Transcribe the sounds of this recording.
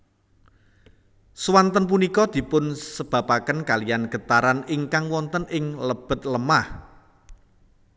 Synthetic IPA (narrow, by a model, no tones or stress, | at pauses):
swant̪ənp̬unikɔd̪̥i̤pʊnsəb̥ä̤pakənkalijanɡ̥ə̤t̪aɾanɪŋkaŋwɔnt̪ənɪŋləb̥ə̤t̪̚ləmah